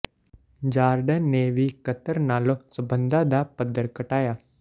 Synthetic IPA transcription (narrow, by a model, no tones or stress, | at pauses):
d͡ʒaːɾɖənːeʋikət̪əɾnaːlosəbə̃nd̪ad̪apəd̪əɾkəʈaːjaː